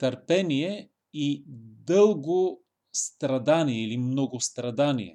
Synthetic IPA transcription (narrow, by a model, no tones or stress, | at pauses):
t̪əɾpɛniɛ | id̪ɤlˠɡo | st̪ɾɐd̪aniɛilimnɔɡʊst̪ɾɐd̪anḭɛ̰